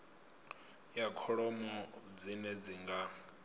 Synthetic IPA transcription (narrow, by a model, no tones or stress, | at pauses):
jakʰɔɺɔmɔd͡zinɛd͡ziŋɡa